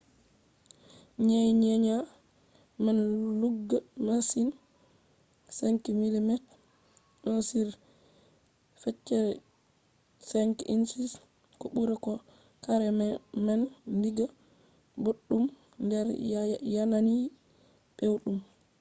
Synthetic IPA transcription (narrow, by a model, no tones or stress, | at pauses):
ɲejɲɛɲa | mɛnluɡːamasin | sɛŋkimilimɛt | ɗɔnsiɾ | fɛt͡ʃːɛ | sɛŋkʔinsis | kɔɓuɾɛkɔ | kaɾɛmɛnːdiɡa | boɗːum | ndɛɾjanani | ɓewɗum